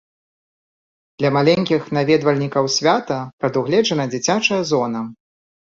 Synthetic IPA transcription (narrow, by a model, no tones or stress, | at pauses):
d̪̥lʲɐmalʲɛnʲkʲixnavʲɛd̪vɐlʲnʲikɐwsʲvʲat̪ɐpɾɐd̪uɣlʲɛd͡ʐɐnɐd͡zʲit͡sʲat͡ʂɐjɐzɔnɐ